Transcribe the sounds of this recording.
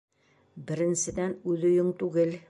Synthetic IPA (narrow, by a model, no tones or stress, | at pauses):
bɘ̆ɾɘ̆nsɘ̆d̪ænʉðɵ̆jɵŋt̪ʉɡɘl